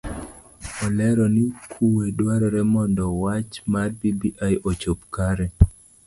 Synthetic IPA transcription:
ɔlɛɾɔnikʰuwedwaɾɔɾɛmɔndɔwat͡ʃmarbibiʔajʔot͡ʃop̚kaɾɛ

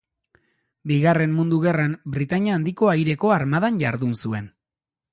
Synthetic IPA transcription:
biɣare̞mmund̪uɣe̞rambɾit̪aɲaːnd̪iko̞ajɾe̞ko̞aɾmaðanʝaɾðunsue̞n

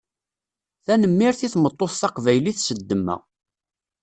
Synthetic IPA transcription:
θænəmːiɾθiθmət̪ˤːoθθɑqvæjliθsəd̪ːəmːæ̰

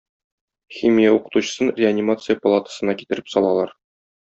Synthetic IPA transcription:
xʲimʲijauqɤ̥̆t̪uɕə̥̆sɤnrʲɪanʲimat̪sɨjəpɐlˠat̪ə̥sɤ̆nɑkit̪ɘ̆ɾɘ̥psɒlˠɑlˠɑɾ

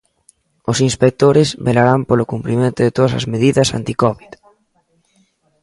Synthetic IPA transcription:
osinspek̚t̪oɾɪzβelaɾampolokumpɾimẽnt̪ʊðet̪oðɐsɐ̰zmeðiðɐsa̰nt̪ikɔβið

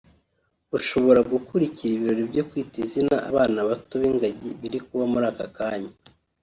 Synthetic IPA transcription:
uʃo̞βo̞ɾaɡukuɾiciɾiβiɾo̞ɾibjo̞kwiːtizinaʔa̰βaːnaβatoβiŋɡaɟiβiɾikuβamuɾaːka̰kaːɲa

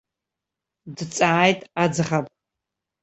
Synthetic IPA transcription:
dɨt͡sʼaʕajtʼad͡zɨχapʼ

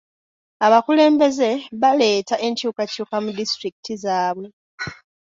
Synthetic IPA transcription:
aβakule̞ːmbe̞ze̞βale̞ːtaʔe̞ɲcuːkacuːkamudistɾiki̥tizaːβwe̞

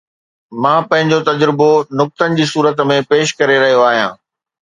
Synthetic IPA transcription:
mãːpɐ̃ɦɪ̃ɲd͡ʑot̪ɐd͡ʑɾɪbonʊk̚t̪ənɪ̆d͡ʑiːsuːɾət̪mẽpeːʃkɐɾeɾɐɦijoaːɦijãː

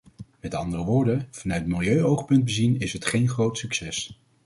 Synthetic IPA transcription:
mɛtɑ̰ndərəʋʊːɹdəv̥ɑnœɥt̚mɪlˠjøɥowχpɵnd̚bəzinɪsətχejnχrowtsyksɛs

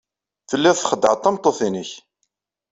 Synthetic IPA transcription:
θəlːæθχəd̪ːʕət̪ˤːɑmt̪ˤːoθinəç

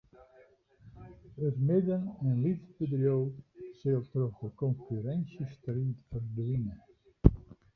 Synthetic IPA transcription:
ətmɪdənənlitbədrjowsɪlˠt̪rɔfdəkɔnkyɾɛnsəstɾiːtfərdʋinə

